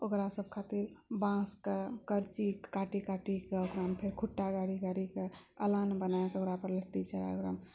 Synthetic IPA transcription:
okɾasəb̚kʰat̪iɾbãskekəɾt͡ʃikaʈikaʈikeokɾampʰeɾkʰuʈːaɡaɽiɡaɾikeəlanbənaekeokɾapəɾlət̪it͡ʃaɾa̰okɾa̰m

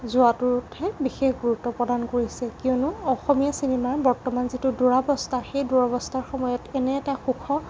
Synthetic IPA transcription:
zʊatʊɹtʰɛbixexɡuɹutːɔpɹɔdankoɹisɛkiɔnʊɔxɔmijasinemaɹbɔɹtɔmanzituduɹabɔstʰaxejduɹabɔstaɹxɔmɔjɔtɛnɛtaxukʰɔ

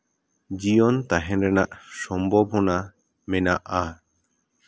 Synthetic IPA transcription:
d͡ʒijɔnt̪aɦɛnɾɛna̰ʔsɔmbʱɔbʱɔna | mɛnaʔa

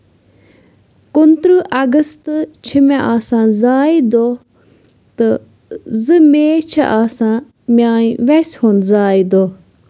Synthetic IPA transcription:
kʊnt̪ɾɨʔɐɡəst̪t͡ʃʰimẽʔaːsãːzaːid̪oː | t̪ɨ | zɨmeːt͡ʃʰḭʔaːsãː | mjaːiʋɛshonzaːid̪oː

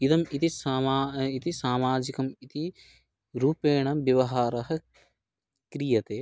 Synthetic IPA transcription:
id̪ɐmit̪isamaːit̪isaːmaːd͡ʒikɐmit̪i | ɾuːpeːɳɐmʋjɐʋɐɦaːɾɐɦɐ̆ | kɾijɐt̪eː

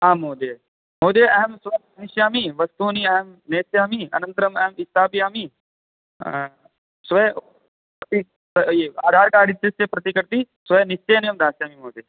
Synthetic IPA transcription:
aːmoːd̪eː | moːd̪jeːʔɐɦɐmsʋɐjaːniʃjaːmiʋɐst̪uːniɐɦmneːsjaːmiɐ̰nɐnt̪ɐɾɐmɐɦmist̪ʰaːpijaːmi | sʋɐj | pɾɐt̪i | ɐeaːd̪ʱaːɾkaːɽit̪ːɐsepɾɐt̪ikɐɾt̪isʋɐjnist͡ʃeːneːmd̪aːsjaːmimoːd̪eː

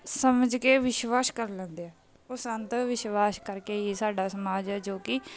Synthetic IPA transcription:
səməd͡ʒkeːʋɪʃʋaːskəɾlɛ̃ːnd̪eɛː | osə̃nt̪ʋɪʃʋaːskəɾkeːiːsaːɖaːsəmaːd͡ʒɛːd͡ʒoːkɪ

